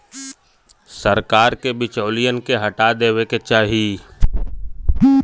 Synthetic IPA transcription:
səɾkaːɾkebɪt͡ʃɔːlijənkeɦəʈad̪eːʋeket͡ʃaːɦi

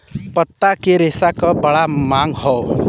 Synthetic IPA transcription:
pət̪ːakeɾesakɔbəɭamaŋɡɦɔ

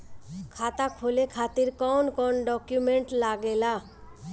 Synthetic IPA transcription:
kʰat̪akʰolekʰat̪iɾkɔnkɔnɖɔkjumeɳʈlaɡela

